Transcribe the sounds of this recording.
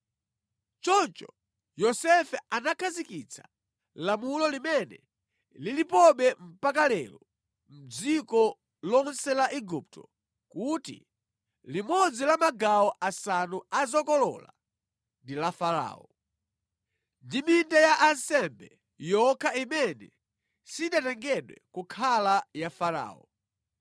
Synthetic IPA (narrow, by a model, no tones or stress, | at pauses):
t͡ʃɔnt͡ʃɔ | jɔsɛfɛanakʰazikit͡sʰḁ | lamulɔlimɛnɛ | lilipɔɓɛm̩pakalɛ̰lɔ | m̩d͡zikɔ | lɔnsɛlaʔiɡup̚tɔ̰ | kutḭ | limɔd͡zilamaɡaɔʔasanuazɔkɔlɔ̰la̰ | ndilafaɾa̰ːɔ | ndimindajaʔansɛmbɛ | jɔkʰaimɛnɛ | siɗatɛŋɡɛɗwɛ̰kukʰalajafaɾa̰ːɔ̰